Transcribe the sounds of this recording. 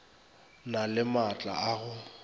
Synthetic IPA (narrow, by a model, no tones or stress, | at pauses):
nalɪmat͡ɬʼa̰aɣʊ